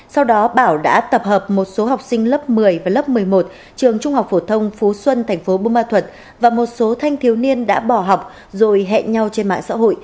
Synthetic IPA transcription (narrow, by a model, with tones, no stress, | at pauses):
sa˧wɗɔ˨˦ɓaː˧˩wɗa̰ː˧˥t̪ə˨˩p̚həː˨˩p̚mo˨˩t̚so˨˦ɦa˨˩wk͡p̚sï˧ŋ̟lə˦˥p̚mɨ˨˩əjvaː˨˩lə˦˥p̚mɨ˨˩əjmo˨˩t̚ | t͡ɕɨ˨˩əŋt͡ɕʊ˧ŋ͡mha˨˩k͡p̚fo˧˩t̪ʰə˧wŋ͡mfu˨˦swə˧nt̪ʰɛ˨˩jŋ̟fo˨˦ɓo˧maː˧t̪ʰwə˨˩t̚ | vaː˨˩mo˨˩t̚so˨˦t̪ʰa˧jŋt̪ʰi˨˦əwni˧ənɗa̰ː˧˥ɓɔ˧˩ɦa˨˩wk͡p̚ | zo̰˧˨jɦɛ̰˧˨ɲa˧wt͡ɕe˧nma̰ː˧˨ŋsa̰ː˧˥ɦo̰˧˨j